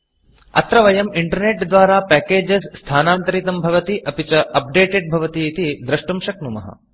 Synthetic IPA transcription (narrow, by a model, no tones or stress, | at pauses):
ɐ̰t̪ɾɐʋɐjɐmiɳʈɐɾneʈd̪ʋaːɾaːpɛːkeːd͡ʒesːt̪ʰaːnaːnt̪ɐɾit̪ɐmbʱɐʋɐt̪iʔɐpit͡ʃɐʔɐp̚ɖeːʈeɖ̚bʱɐʋɐt̪iːt̪id̪ɾɐʂʈɐmʃɐk̚numɐ̰ɦɐ̰